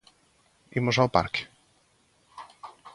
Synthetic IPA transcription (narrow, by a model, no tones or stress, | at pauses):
imɔʐaɔpa̰ɾk